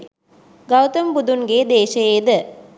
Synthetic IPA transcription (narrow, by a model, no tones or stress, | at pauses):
ɡɐwt̪ɐmpud̪unɡeːd̪eːʃɐjed̪ɨ